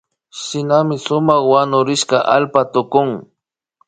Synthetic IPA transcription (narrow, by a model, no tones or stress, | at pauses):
ʃɪnamɪsʊmaχwanʊɾɪʃkaʔa̰lpat̪ʊkʊŋ